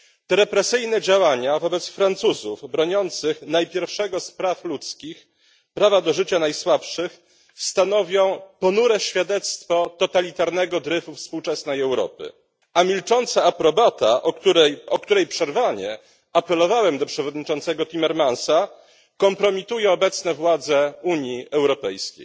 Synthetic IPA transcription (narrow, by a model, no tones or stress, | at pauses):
t̪ɛɾɛpɾɛsɘjnɛd͡ʑawaɲavɔbɛt̪sfɾant̪suzuvbɾɔɲɔnt̪sɘxnajpʲjɛɾfʂɛɡɔspɾaflut̪skʲix | pɾavad̪ɔʐɘt͡ɕanajswapʂɘx | st̪anɔvʲjɔ̃w̃pɔnuɾɛɕfʲjad̪ɛt̪st̪fɔt̪ɔt̪alʲit̪aɾnɛɡɔd̪ɾɛfufspuwt͡ʂɛsnɛjɛwɾɔ̰pɘ̰ | amʲilt͡ʂɔnt̪saːpɾɔbat̪aɛɔk̚t̪uɾɛjpʂɛɾvaɲɛ | apɛlɔvawɛmd̪ɔpʂɛvɔd̪ɲit͡ʂɔnt̪sɛɡɔt̪ʲimɛɾmansa | kɔmpɾɔmʲit̪ujɛɔbɛt̪snɛvwad̪zɛuɲjiɛwɾɔpɛjskʲḛj